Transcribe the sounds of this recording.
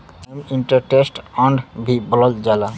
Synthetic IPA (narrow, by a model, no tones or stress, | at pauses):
emiɳʈəɾʈesʈəɳɖbʱibɔləld͡ʒala